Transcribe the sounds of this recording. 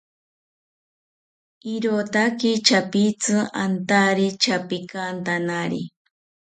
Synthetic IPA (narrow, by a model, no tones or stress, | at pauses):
iɾot̪akit͡ʃapit͡sɨant̪aɾit͡ʃapikant̪anaɾḭ